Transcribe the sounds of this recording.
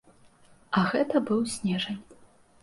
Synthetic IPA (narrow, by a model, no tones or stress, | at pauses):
ɐɣɛt̪ɐbɨwsʲnʲɛʐɐnʲ